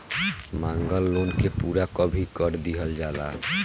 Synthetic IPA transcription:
mãŋɡɔlːonkepuɾakɔbʱikɔɾd̪iɦɔld͡ʒala̰

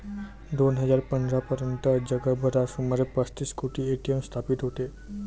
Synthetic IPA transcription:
d̪onɦəzaɾpə̃nd̪ɾapəɾənt̪əd͡ʒəɡəbʱəɾasuməɾepəst̪iskuʈieʈijəmst̪ʰapit̪ɦot̪e

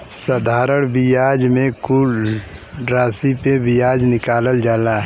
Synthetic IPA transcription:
səd̪ʱaːɾəɽ̃bijaːd͡ʒmẽkul | ɾaːsipebijaːd͡ʒnɪkaːləld͡ʒaːlaɦ

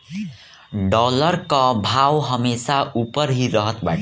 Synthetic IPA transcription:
ɖʌlʌrkʌbʱawɦʌmesaupʌɾɦirʌɦʌt̪ba̰ʈʰ

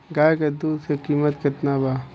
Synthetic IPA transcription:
ɡaːjked̪uːd̪sekiːmət̪kɪt̪naːbaː

